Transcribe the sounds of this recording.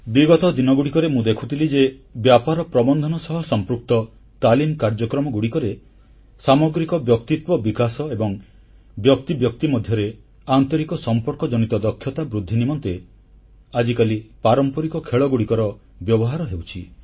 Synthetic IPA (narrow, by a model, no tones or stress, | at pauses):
biɡɔt̪ɔd̪inɔɡuɽikɔɾemũd̪ekʰut̪ʰilid͡ʒebjapaɾɔpɾɔbɔnd̪ʱɔnɔsɔɦɔsɔmpɾuk̚t̪ɔ | t̪alimkaɾd͡ʒɔkɾɔmɔɡuɽikɔɾe | samɔɡɾikɔbjɔk̚t̪it̪wɔbikasɔebɔŋ | bjɔk̚t̪ibjɔk̚t̪imɔd̪ʱjɔɾe | ant̪ɔɾikɔsɔmpɔɾkɔd͡ʒɔnit̪ɔd̪ɔkʰːjɔt̪abɾud̪ʱːinimɔnt̪e | ad͡ʒikalipaɾɔmpɔɾikɔkʰeɭɔɡuɽikɔɾɔ | bjɔbɔɦaɾɔɦewt͡ʃʰi